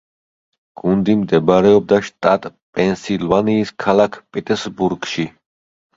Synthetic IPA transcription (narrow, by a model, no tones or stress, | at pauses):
ɡ̥und̪imd̪ɛbɾɛɔb̚d̪aʃt̪ʼat̪ʼpʼɛnsilˠvaniːskʰalakʰpʼɛt̪ʼɛɾsbuɾɡʃi